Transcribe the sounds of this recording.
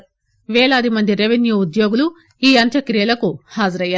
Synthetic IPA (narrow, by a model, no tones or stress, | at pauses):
ʋɛːɭɐːd̪imɐnd̪iɾeʋenjuːud̪jo̞ːɡulu | iːɐnt̪ʰɐkɾijɐlɐkuhaːd͡ʒɐɾɐjːaː